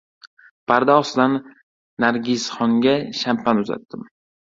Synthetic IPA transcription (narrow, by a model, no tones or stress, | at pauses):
pʰaɾd̪aɒsd̪anː | aɾɡʲɪsχɒŋɡʲaʃampanʊza̰t̪ːɪm